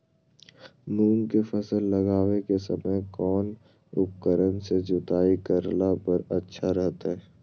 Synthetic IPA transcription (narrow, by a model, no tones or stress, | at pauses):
nuːŋkefəsəlːɐɡaːwekesəməjkɔːn | ʊ̰p̚kəɾənsed͡ʒʊt̪aːikəɾlapəɾətːʃʰaɾɛɦt̪aɦɛː